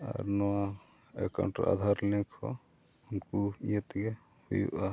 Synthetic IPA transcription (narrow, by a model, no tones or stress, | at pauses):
a̰ɾnɔwa | ɛka̰wɳʈɾɔ̰a̰d̪ʱaɾlikʰɔ̰ | unkuijɛt̪ɡɛ | hujṵʔa